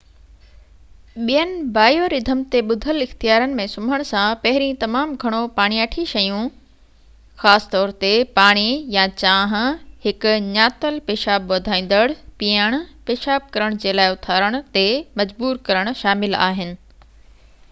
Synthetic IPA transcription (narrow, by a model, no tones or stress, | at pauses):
ɓijənɪ̆baːjoɾɪd̪ʱəmt̪eɓʊd̪ʱəlɪxt̪ijaːɾənɪ̆mẽsʊmʱəɽ̃sãpɐɦɪɾĩt̪ɐmaːmɡʱɐɽ̃opaːɽ̃iɐʈʰiʃɐjũ | xaːsɪ̥t̪ɔːɾt̪epaːɽ̃ijãt͡ɕãːɦhɪkʊ̆ɲaːt̪əlpeːʃaːbʋɐd̪ʱãːĩːn̆d̪əɽpijəɽ̃peːʃaːb̚kɐɾəɽ̃d͡ʑeːlaːɪʊt̪ʰaːɾəɽ̃ʊ̆t̪emɐd͡ʑbuːɾkɐɾəɽ̃ʊ̆ʃaːmɪla̰ːɦɪnɪ̆